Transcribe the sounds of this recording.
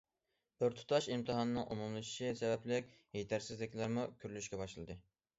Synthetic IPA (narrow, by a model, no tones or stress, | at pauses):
b̥ɪɾt̪ʰu̥t̪ʰɑʃimt̪ʰɨɦɑnɨnɨŋʔumumlˠɨʃi̥ʃisɛbɛplɪkʲ | het̪ʰæɾsɪzlɪkʲlæɾmukʲʰyɾlyʃkʲɛbɑʃlˠɨd̪ɨ